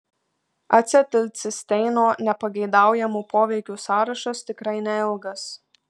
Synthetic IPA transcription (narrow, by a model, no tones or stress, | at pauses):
ɐt̪ʲsʲɛt̪ʲɪlʲt̪sʲɪsʲt̪ʲɛɪnoːnʲɛpɐɡʲɛɪd̪ɑˑʊjɛmuːpoːʋʲɛɪkʲuːsɑːɾɐʃɐst̪ʲɪkɾɐɪnʲɛɪlˠɡɐs